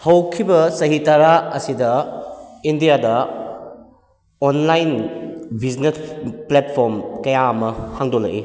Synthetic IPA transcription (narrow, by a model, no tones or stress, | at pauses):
hɐwkʰibɐsɐɦitɐɾaɐsidɐ | indijadɐ | onlajnbʱid͡ʒnesplet̚pʰoɾmkɐjaɐmɐhaŋdolɐkʔi